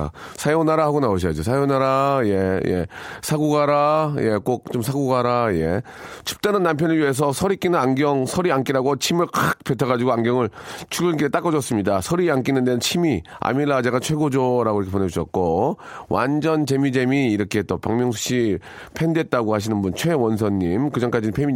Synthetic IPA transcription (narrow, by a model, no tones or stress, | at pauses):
a̰ | sʰajoŋnːaɾahaɡonaoɕ̬ʰʌjad͡ʑosʰajonaɾajeje̞̰sʰaɡuɡaɾaje̞k͈ok̚t͡ɕoms̬ʰaɡuɡaɾaje̞̰t͡ɕʰu̥p̚t͈anɯnːamp̬ʰjʌnɯɭɥiɦe̞s̬ʰʌsʰʌɾik͈inɯnaŋɡjʌŋsʰʌɾiank͈iɾaɡot͡ɕʰimɯɭkak̚petʰʌɣad͡ʑiɡoaŋɡjʌŋɯɭt͡ɕʰuɡɯnɡiɾet͈ak͈ʌd͡ʑʌs͈ɯmɲidasʰʌɾiank͈inɯndenɯnt͡ɕʰimi | a̰miɭːad͡ʑeɡat͡ɕʰwe̞ɡod͡ʑoɾaɡoiɾʌkʰeponed͡ʑuɕʰʌt̚k͈owʔa̰nd͡ʑʌnt͡ɕe̞mid͡ʑe̞miːɾʌkʰe̞t͈opaŋmjʌŋs̬ʰu̥ɕ͈i | pʰe̞ndet̚t͈aɡohaɕ̬ʰinɯnbunt͡ɕʰwe̞wʌns̬ʰʌnːimkɯd͡ʑʌnk͈ad͡ʑinɯnpʰemi